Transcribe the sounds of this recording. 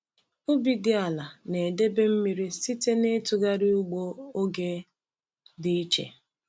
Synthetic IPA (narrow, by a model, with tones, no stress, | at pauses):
ʊ˦bi˨dɪ˦a˨la˨ne˨de˦be˦m̩˦mi˨ɾi˦si˦te˦ne˦tʊ˨ɡa˦ɾi˦u˦ɡ͡bo˦o˦ɡe˦ | dɪ˦i˦t͡ʃḛ˨